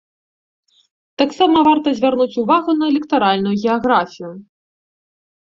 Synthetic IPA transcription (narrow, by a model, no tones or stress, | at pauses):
t̪aksamɐvart̪ɐzʲvʲarnut͡sʲuvaɣunɐɛlʲɛkt̪aɾalʲnujuɣʲɛaɣɾafʲiju